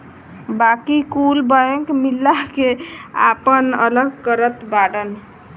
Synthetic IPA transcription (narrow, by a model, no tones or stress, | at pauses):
bakikulbəjəŋkmilːakea̰pənə̰ləɡkəɾət̪baɽən